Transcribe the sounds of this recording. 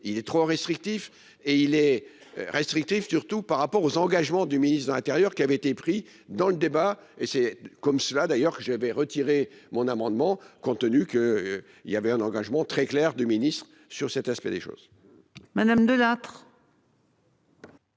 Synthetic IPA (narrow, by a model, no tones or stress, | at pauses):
ilɛt̪χoʁɛst̪χik̚t̪if | eilɛ̰ | ʁɛst̪χik̚t̪ifsyʁt̪upaʁːapɔʁozɑ̃ɡaʒmɑ̃d̪yminist̪lɛ̃t̪ɛʁjœʁkʲiavɛet̪epχi | d̪ɑ̃ləd̪eba | esɛkɔmsəlad̪ajœʁkəʒəvɛʁət̪iʁemɔ̃namɑ̃d̪mɑ̃kɔ̃t̪ənykə | ḭljavɛɛ̃nɑ̃ɡaʒmɑ̃t̪χɛklɛʁd̪yminist̪χ | syʁsɛt̪aspɛ̰d̪ḛʃo̰ːz̥ | mad̪amd̪əlat̪χ